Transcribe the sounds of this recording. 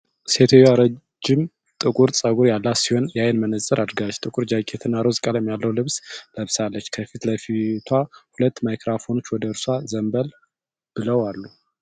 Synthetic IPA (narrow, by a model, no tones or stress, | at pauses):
se̞t̪ʰojaɾə | d͡ʒːɪm | t̪ʼɨkʼuɾt͡sʼəɡuɾjalːasiho̞njajnmənəsʼɨɾʔad̪ɾɡalət͡ʃːt̪ʼɨkʼuɾd͡ʒakʼet̪ʰɨnːaɾozkʼaljɛmjalːəwlɨβsləβsalːət͡ʃːkʰəfit̪ləfit̪ʰwahulət̪ːmajkɾafo̞no̞t͡ʃːwɔd̪əɨɾsazəmbəl | b̥ɨləwalːu